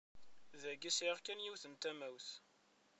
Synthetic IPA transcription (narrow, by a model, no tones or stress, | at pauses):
ðæɡisɾiʁkːænjiwθənt̪æmæwθ